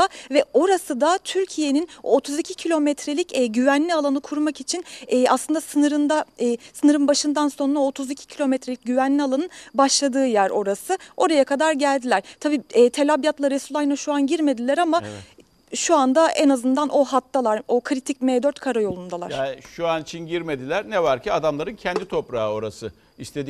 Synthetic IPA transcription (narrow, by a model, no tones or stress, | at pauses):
avɛo̞ɾasɯd̪at̪ʰyɾcʰije̞ninot̪ʰuzicʰicʰilʲo̞mɛt̪ʰɾe̞lʲicɛːɟyvænlʲialˠanɯkʰuɾmakit͡ʃʰinɛːa̰slˠɯnd̪asɯnɯɾɯnd̪asɯnɯɾɯnbaʃɯnd̪anso̞nɾaot̪ʰuzicʰi̥cʰilʲo̞mɛt̪ɾelʲic̚ɟyvænlʲialˠanɯnbaʃlˠad̪ɯːjæɾo̞̰ɾasɯo̞ɾajakʰad̪aɾɟælʲd̪ilʲæɾ̥t̪ʰabiːɛːt̪ʰelʲabjat̪lˠaɾesulˠajnaʃuanɟiɾme̞d̪ilʲæɾama | ʃuand̪aenazɯnd̪anʔo̞ɦat̪ʰːalˠaɾo̞kʰɾit̪ʰic̚meːd̪øɾt̪kʰaɾajo̞lˠund̪alˠaɾj̥ʃuanit͡ʃʰinɟiɾme̞d̪ilʲæɾnevaɾciad̪amlˠaɾɯncʰɛnd̪it̪ʰo̞pɾaːɯo̞ɾasɯ | ist̪e̞d̪i